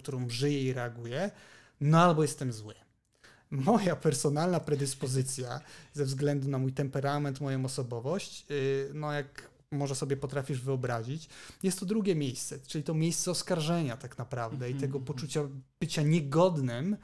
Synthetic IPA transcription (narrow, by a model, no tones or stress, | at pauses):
kt̪uɾɔ̃w̃ʐɘjɛiɾɛaɡujɛ | nɔalbɔjɛst̪ɛmzwɘ | mɔjapɛɾsɔnalnapɾɛd̪ɘspɔzɘt̪sʲjazɛvzɡlɛnd̪unamujt̪ɛmpɛɾamɛnt̪mɔjɔ̃w̃ɔsɔbɔvɔɕt͡ɕnɔjak | mɔʐɛsɔbʲjɛpɔt̪ɾafʲiʐvɘɔbɾaʑit͡ɕjɛst̪ːɔd̪ɾuɡʲɛmʲjejst̪sɛt͡ʂɘlʲit̪ɔmʲjejst̪sɛɔskaɾʐɛɲat̪aknapɾavd̪ɛit̪ɛɡɔpɔt͡ʂut͡ɕab̥ɘt͡ɕaɲɛɡɔd̪nɛm